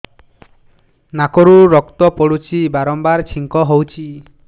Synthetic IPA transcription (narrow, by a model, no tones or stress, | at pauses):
nakɔɾuɾɔkt̪ɔpɔɽut͡ʃʰibaɾɔmbaɾt͡ʃʰiŋkɔɦowt͡ʃʰi